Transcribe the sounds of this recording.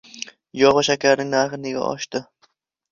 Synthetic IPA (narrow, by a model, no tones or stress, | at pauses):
jɒʁɑʃakʲʰaɾnɪŋnaχɪnɪɡʲa̰ʔɒ̰ʃt̪ɪ